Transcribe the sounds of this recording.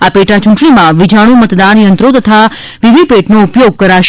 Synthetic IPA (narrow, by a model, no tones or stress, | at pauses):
apeʈat͡ʃũɳʈɳimãʋid͡ʒʱaɽ̃ũmət̪d̪anjənt̪ɾot̪ət̪ʰa | ʋid̪ʱipeʈnoupjoɡ̚kəɾaʃ